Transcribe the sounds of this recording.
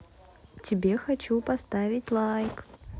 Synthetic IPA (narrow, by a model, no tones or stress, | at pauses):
tʲɪbʲexat͡ɕupast̪avʲɪtʲlˠajk